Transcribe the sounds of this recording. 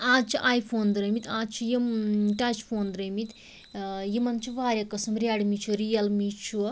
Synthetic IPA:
aːt͡ʃʰuʔaːjpʰoːnd̪ɾɐmit̪aːt͡ʃʰujiʈɐt͡ʃpʰoːnd̪ɾɐmit̪ | jimɐnt͡ʃʰuʋaːɾʲjɐkːɐsɐmɾʲjaɽmit͡ʃʰuɾijɐlmit͡ʃʰu

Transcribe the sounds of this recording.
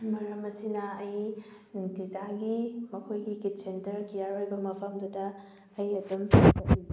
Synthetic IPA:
mɐɾɐmɐsinɐːjnuŋtizaɡimɐkʰojɡikit̚sentɐɾkijaɾojbɐmɐpʰɐmd̪udɐː | jɐdumpɐpi

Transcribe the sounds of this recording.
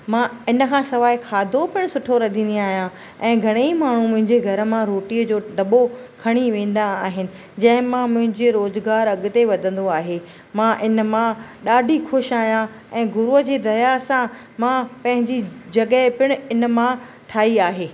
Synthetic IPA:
mãɪnəkʰãːsɐʋaːikʰaːd̪ʱopɪɽ̃sʊʈʰoɾɐd̪ʱĩːnd̪iaːɦijã | ɛ̃ːɡʱɐɽ̃eimaːɳ̤umʊ̃ɦɪ̃ɲd͡ʑeɡʱɐɾəmãɾoːʈiːəd͡ʑoːd̪ɐɓokʰɐɽ̃iʋẽːn̆d̪aːɦɪnɪ̆ | d͡ʑɐ̃ɦɪ̃mãmʊ̃ɦɪ̃ɲd͡ʑeɾoːzɡaːɾɐɠʊt̪eʋɐd̪ʱə̃nd̪oaːɦeː | mãʔɪnəmãɗaːɖʱixʊʃaːɦijã | ɛ̃ːɡʊɾuɦəd͡ʑeːd̪ɐjasã | mãpɐ̃ɦɪ̃ɲd͡ʑid͡ʑɐɠəpɪɽ̃ʊɪnə̆mã | ʈʰaːiaːɦeː

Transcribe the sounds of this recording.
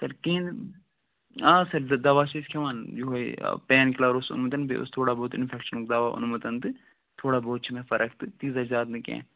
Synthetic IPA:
sɐɾkĩːnd̪ | ãːsɐɾd̪ɐʋaːt͡ʃʰiskʰeʋaːnd͡ʒuɦoḭpɛːnklaːɾosʊ̰nmut̪̬ɐnbḛʔʊ̰st̪ʰoːɽaːboːt̪ɪ̰nfʰɛːkʃənuk̚d̪aːʋaːʔʊ̰nmɐt̪ɐnt̪ɨ | t̪ʰoːɽaːboːt̪̚t͡ʃʰimɛ̃ːfɐɾʔək̚ʰt̪ɨt̪iːzazaːt̪nɨkɛ̰̃ː

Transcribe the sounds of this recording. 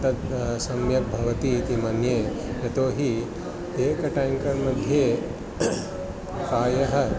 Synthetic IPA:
t̪ɐt̪sɐmjɐk̚bʱɐʋɐt̪it̪imanjeː | jɐt̪oːɦi | eːkɐʈajmkɐɾmɐd̪ʱjeː | kaːjɐɦɐ̆

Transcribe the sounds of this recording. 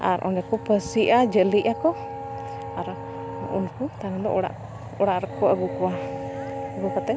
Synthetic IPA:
a̰ɾʔɔ̰nɛkɔpəsiʔad͡ʒəliʔakɔ | aɾ | ṵnkut̪aŋlɔʔɔɽa̰ʔ | ɔɽaʔɾəkɔʔaɡukɔa | ɡukɔt̪ɛ

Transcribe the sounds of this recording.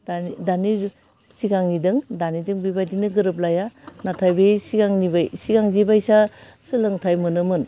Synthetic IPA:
dadani | siɡaŋnidɯŋdanidɯŋbibajdinɯɡɯɾɯp̬̚lajanatʰajbesiɡaŋnibajsiɡaŋzibajsasɯlɯŋtʰajmɯnɯmɯn

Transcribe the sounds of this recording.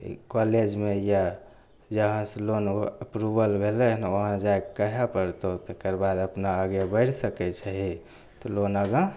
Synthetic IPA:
kɔled͡ʒmeja | d͡ʒəɦə̃selonəpɾubəlbʱelɛnoɦə̃d͡ʒaekəɦɛpəɾt̪ot̪ekəɾbad̪əpnaːɡebəɽsəkɛt͡ʃʰɛɦi | t̪ɔlonəɡə̃

